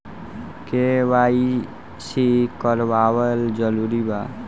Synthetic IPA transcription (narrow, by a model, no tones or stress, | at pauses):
keʋai | sikəɾʋawəld͡ʒəɾuɾiba